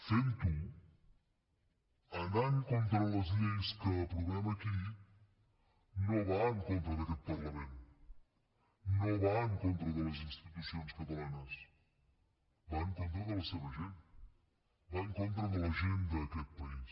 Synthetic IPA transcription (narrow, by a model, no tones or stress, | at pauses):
fẽnt̪u | ɐ̃nd̪aẽŋkõnt̪ɾɐlɐziɐiskɐpɾoɣɾamɐki | nɐ̃w̃vaẽŋkõnt̪ɾɐðɐkelpɐɾlɐmẽnt̪u | nɐ̃w̃vaẽŋkõnt̪ɾɐðɐlɐzĩnst̪it̪usiõj̃skɐt̪ɐlanɐs | vaẽŋkõnt̪ɾolɐlɐsevɐʒẽnt̪ | vaẽŋkõnt̪ɾɐðɐlɐʒẽnd̪ɐɐkelpɐis